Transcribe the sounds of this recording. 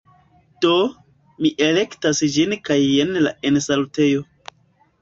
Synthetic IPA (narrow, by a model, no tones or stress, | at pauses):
d̥o | miʔele̞ktasd͡ʒinkajenla̰e̞nsalute̞jo̞